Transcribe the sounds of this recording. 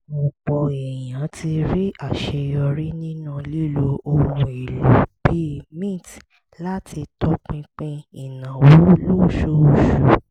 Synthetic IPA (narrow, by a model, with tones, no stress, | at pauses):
mo˨k͡pɔ˧ɛ˨jã˨˦tʰi˧ɾi˦a˦˨ʃe˧jɔ˧ɾi˦nĩ˦nũ˦li˦˨lo˧o˧wũ˧i˨lo˨b̥i˦˨mĩ˦˨t | la˦tʰi˧tɔ˦k͡pĩ˧k͡pĩ˦i˨nã˨wo˨˦lo˦˨ʃo˦o˦˨ʃu˨˦